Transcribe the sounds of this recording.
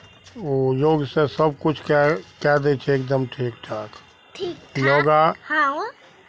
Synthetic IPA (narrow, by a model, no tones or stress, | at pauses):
ojoːɡsẽsəb̚kʊt͡ʃʰkɛkɛd̪et͡ʃʰɛeːkd̪əmʈʰiːkʈʰaːk | ʈʰiklɔːɡaha